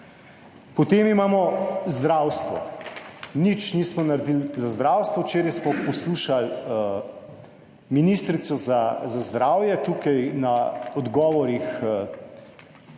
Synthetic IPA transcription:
pɔt̪eːmimaːmɔzd̪ɾawst̪ʋɔ̰ | nit͡ʃniːsmɔnaɾd̪ilzazd̪ɾaːwst̪ʋɔwt͡ʃeːɾajsmɔpɔsluːʃal | minist̪ɾit̪sɔzazazd̪ɾaːwjɛt̪uːkajnaɔd̪ɡɔːʋɔɾix

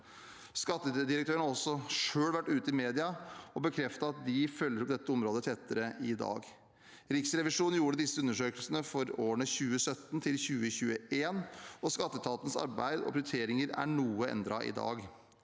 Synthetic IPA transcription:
skɑt̪ːəd̪ɪɾək̚t̪ʰøːɾəɳhɑɾɔsːɔʂøːɽʋæʈːʉːt̪əɪmeːd̪ɪɑɔbəkʰɾɛft̪ɑɑt̪̚d̪ɪfœlːəɾɔpd̪ɛt̪ːəɔmɾoːd̪ət̪ʰɛt̪ːəɾəɪd̪ɑ̰ːɡ | ɾɪksɾɛʋɪʂuːnn̩juːɾəd̪ɪsːəʉnːəʂøːkəlsənəfɔɾoːɳəçʉːəsœt̪ːnt̪ʰɪlçʉːəçʉːəeːnɔskɑt̪ːət̪ʰɑːt̪ən̩sɑ̰ɾbæ̰ɪd̪ɔ̰pʰɾɪɾət̪ʰeːɾɪŋəɾæ̰ɳuːəɛ̰nd̪ɾɑʔɪ̰d̪ɑ̰ːɡ

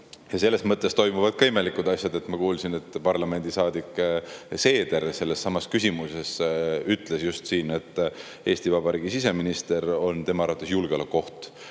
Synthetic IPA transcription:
jɑse̞lːe̞smɤt̪ːˑest̪o̞jmuvɑd̪̥̚kɑime̞likˑud̪̥ɑsʲjɑd̪e̞t̪ˑmɑkuːlsine̞t̪ːpɑrlɑme̞nd̪̥isɑːd̪ikːˑse̞ːd̪̥eɾse̞lːe̞sːɑmɑskysʲimuse̞syt̪ˑle̞sjust̪siːne̞t̪ːˑ | e̞ːst̪ivɑbɑɾiːɡ̥isis̬e̞minist̪e̞ɾo̞nt̪e̞mɑɑɾɑt̪ːˑesjulɡ̥eo̞lekːo̞ht̪

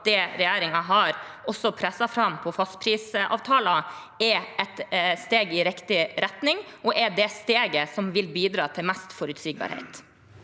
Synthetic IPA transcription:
d̪ɛɾɛjæːɾɪŋɑɦɑɾɔsɔpʰɾɛsːɑfɾɑmpʰɔfɑst̪pʰɾiːsɑ̰ːʋt̪ʰɑːlɑ | ɛɛt̪st̪eːɡɪɾɪkt̪ɪɾɛt̪nɪŋʔɔʔɛd̪ɛst̪eːɡəsɔmʋɪlbiːd̪ɾɑːt̪ʰɪlmɛst̪fɔɾʉt̪siːɡ̚bɑ̰ɾhḛɪt̪

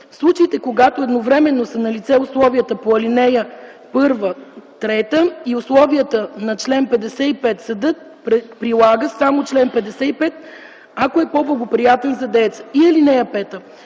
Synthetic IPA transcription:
fslˠut͡ʃəit̪ɛkoɡat̪oɛd̪novɾɛmɛnːosənɐlit̪sɛʊslˠɔviət̪əpoɐlinɛjə | pɤɾvət̪ɾɛt̪əiʊslˠɔviət̪ənɐt͡ʃlɛnpɛd̪ɛsɛipɛt̪sɐd̪ɤt̪ | pɾɛpɾilˠaɡəsamot͡ʃlɛnpɛd̪ɛsɛipɛt̪ | akoɛpoblˠɐɡopɾijat̪ɛnzɐd̪ɛt̪sə̥iɐlinɛjəpɛt̪ə

